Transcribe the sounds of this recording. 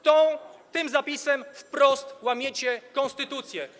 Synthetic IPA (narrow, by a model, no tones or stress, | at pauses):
t̪ɔ̃t̪ɘmzapʲisɛmfpɾɔst̪wamʲjɛt͡ɕɛkɔ̃nst̪ɘt̪ut̪sʲjɛ